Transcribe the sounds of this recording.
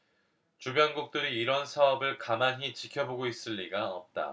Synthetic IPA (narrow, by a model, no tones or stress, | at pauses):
t͡ɕubjʌnɡuk̚t͈ɯɾiːɾʌnsʰaʌbɯɭkamanɦit͡ɕikʰjʌboɡois͈ɯʎːiɡaʌp̚t͈a̰